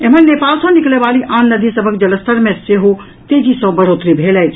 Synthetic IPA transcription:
emənːepalsə̃niklebaliʔanːəd̪ʱisəbʱəkd͡ʒələst̪əɾmeseɦo | t̪ed͡ʒisə̃bəɽot̪ɾibʱelɛt͡ʃʰ

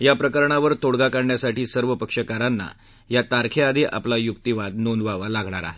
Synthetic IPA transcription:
japɾəkəɾɳaʋəɾt̪oɽɡakaɾɳjasaʈiːsəɾʋəpəkʂəkaɾanːa̰ | jat̪aɾkʰead̪ʱiʔa̰plajukt̪iʋad̪nonʋaʋalaɡʱɳa̰ɾa̰ɦe

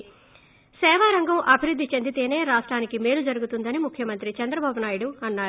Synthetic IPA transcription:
sɛːʋaːɾɐŋɡɐmʔɐbʱiɾud̪ʱːit͡ʃɐnd̪it̪eːne̞ːɾaːʂʈɾaːnikimeːlud͡ʒɐɾuɡut̪und̪ɐnimukʰjɐmɐnt̪ɾit͡ʃɐnd̪ɾɐbaːbunaːjuɽuɐnːaːɾ

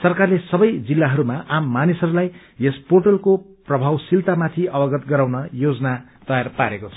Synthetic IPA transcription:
sʌrkarlesʌbʌjd͡zilːaɦʌɾumaʔamːanisʌɾulaj | esporʈʌlko | prʌbʱawsilt̪amat̪ʰiʌbʌɡʌt̪ɡʌɾawnʌjod͡zʌnat̪ʌjarpaɾekot͡sʰʌ

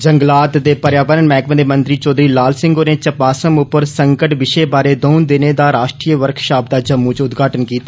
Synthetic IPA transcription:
d͡ʒəŋɡlaːt̪d̪eːpəɾjaːʋəɾənmɛːkə̃d̪eːmə̃nt̪ɾiːt͡ʃɔːd̪ɾiːlaːlsɪ̃ŋɡoːneːt͡ʃəpaːsəmʊpːəɾsəŋkəʈʋɪʃeːbaːɾeːd̪oːnd̪ɪneːd̪aːɾaːʃʈɾiːəʋəɾkʰʃaːb̚d̪aːd͡ʒəmːũːt͡ʃʊt̪ɡaːʈənkiːt̪aː

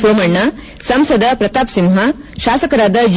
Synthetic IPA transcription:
soːmɐɳːɐ | sɐmsɐd̪ɐpɾɐt̪aːpsimɦɐ | ʃaːsɐkɐɾaːd̪ɐd͡ʒ

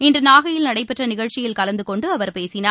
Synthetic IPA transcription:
ɪndrɯnaːɣɐjɪlnɐɽɐɪpːɐʈrɐnɪɣɐɻt͡ʃɪjɪlkɐlɐnd̪ɯkɔɳɖɯɐʋɐɾpeːsɪnaː

